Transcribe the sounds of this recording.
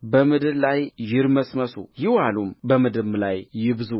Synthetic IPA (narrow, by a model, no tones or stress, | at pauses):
bəmɨd̪ɨllajjɪɾməsməsṵjɪwalumbəmɨd̪ɨmlajːɪβɨzu